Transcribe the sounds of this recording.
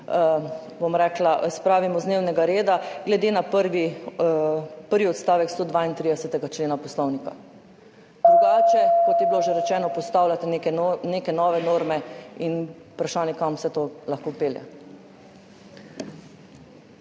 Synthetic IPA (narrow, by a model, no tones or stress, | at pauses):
bomɾɛːklaʔspɾaːʋimɔzd̪neːwnɛɡaɾeːd̪aɡlɛd̪eːnapəɾʋi | pəɾʋiɔt̪st̪aːʋɛkst̪od̪ʋaːint̪ɾid̪ɛsɛt̪ɛɡat͡ʃleːnapɔslɔwnika̰ | d̪ɾuɡaːt͡ʃɛkɔt̪jɛbiloʒɛɾɛt͡ʃɛːnɔpɔst̪aːwlʲat̪inekɛneːkɛnɔːʋɛnoːɾmɛin | upɾaʃaːnjɛkamwsɛt̪olaxkopeːljɛ̰